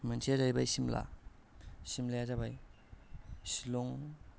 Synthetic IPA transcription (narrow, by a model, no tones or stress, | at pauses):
mansʰezajbajsimla̰ | simlajazabaj | siloŋ